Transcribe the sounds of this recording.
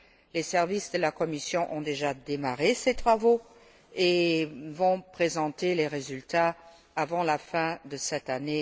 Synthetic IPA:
lesɛʁvisd̪əlakɔmisjɔ̃ʔɔ̃d̪eʒad̪emaʁeset̪χavo | evɔ̃pχezɑ̃t̪eleʁezylt̪aː | vɑ̃lafɛ̃d̪əsɛt̪ane

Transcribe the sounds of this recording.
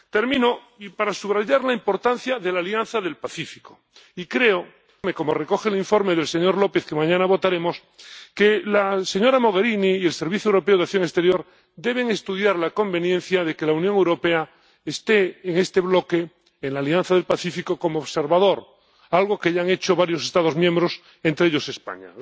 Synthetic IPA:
t̪e̞ɾmĩno | ipaɾasuβɾaʝaɾlaimpo̞ɾt̪an̟θjaðelaljanθaðe̞lpaθifiko̥ | ikɾe̞o | me̞ko̞mo̞reko̞xeliɱfo̞ɾmeðe̞lse̞ɲo̞ɾlo̞pe̞θkemãɲãnaβo̞t̪aɾe̞mo̞s | kelase̞ɲo̞ɾamo̞ɣ̞e̞ɾiniːe̞lse̞ɾβ̞iθjuewɾo̞peoðaθjo̞ŋest̪e̞ɾjo̞ɾ | d̪e̞β̞e̞ŋest̪uðjaɾlako̞mbe̞njen̟θjaðe̞ke̞launjõŋewɾo̞pea | est̪e̞ːŋe̞st̪e̞βlo̞keː | nlaːlian̟θaðe̞lpaθifikokomoːβse̞ɾβað̞o̞ɾ | alɣ̞o̞keʎaŋe̞t͡ʃoβaɾjo̞sest̪aðozmjẽmbɾo̞s | ent̪ɾeeʎo̞se̞spa̰ɲa̰

